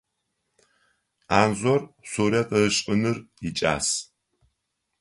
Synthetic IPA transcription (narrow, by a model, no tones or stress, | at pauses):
aːnzɔrsoːɾɐqʼɐɨɕʼɨnɨrit͡ʃʼa̰ːs